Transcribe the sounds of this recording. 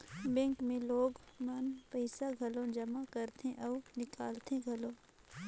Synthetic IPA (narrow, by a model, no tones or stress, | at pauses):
bɛ̃ːŋkmẽloːɡmɐnpəɪsaɡʱɐlõd͡ʒɐmakɐɾt̪ẽʔɔːnɪkaːlt̪ẽɡʱɐlõ